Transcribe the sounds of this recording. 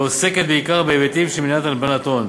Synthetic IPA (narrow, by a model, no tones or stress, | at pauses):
oseket̪̚beikaʁbevet̪ivʃeminat̪albanat̪on